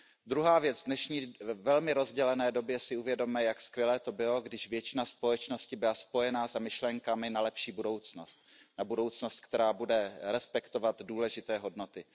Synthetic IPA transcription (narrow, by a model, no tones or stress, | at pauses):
d̪ɾuɦaːvjɛt͡svdnɛʃɲiːvɛlmɪɾo̞zɟɛlɛnɛːdo̞bjɛsɪuvjɛdo̞mɛjakskvʲjɛlɛːt̪o̞bɪlo̞ɡdɪʒvjɛt͡ʃɪnaspo̞jɛt͡ʃno̞scɪbɪlaspo̞jɛnaːzamɪʃlɛŋkamɪnalɛpʃiːbudo̞wt͡sno̞st̪̚ | nabudo̞wt͡sno̞st̪̚kt̪ɛɾaːbudɛɾɛspɛkt̪o̞vat̪duːlɛʒɪt̪ɛːɦo̞dno̞t̪ɪ